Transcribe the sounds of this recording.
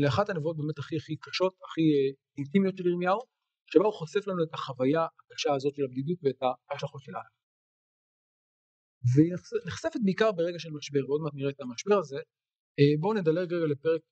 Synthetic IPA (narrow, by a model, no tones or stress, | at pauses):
leaχathanevuot̚bemetaχiaχikaʃo̞taχi | intimjo̞tʃeliʁmjau | ʃebauχose̞flanue̞taχavajaakaʃaːzo̞tʃe̞labdidutveetaaʃlaχotʃelʔa̰l | vensneχsefet̚beikaʁbeʁe̞ɡaʃelmaʃbe̞ʁveodmatniʁeːtamaʃbe̞ʁaze̞ | ebo̞ned̪aleɡʁeɡalepeʁek̚